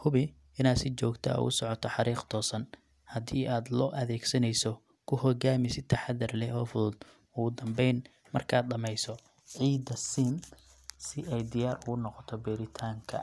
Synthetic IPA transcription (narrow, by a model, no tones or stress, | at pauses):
hʊβɪ | ɪnaːd̪sɪt͡ʃɔːɡt̪ʰɐ̰ɣʊ̰sɔʕɔt̪ʰɔħɑɾiːqt̪ʰɔːsɐn | hɐd̪iːʔaːd̪lɔːʔɐðɛːɡsɐnɛjsɔ | kʰʊhɔɡaːmɪsɪ̥t̪ʰɐħɑðɐrlɛɔːfʊðʊd̪ | ʊʊd̪ɐmbɛjn | mɐ̰rkʰaːd̪ɗɐmɛjsɔ | ʕiːd̪ɐsiːm | sɪʔɛjd̪ɪjaːɾʊɣʊnɔqɔt̪ʰɔbɛːɾɪt̪ʰaːŋkʰɐ̰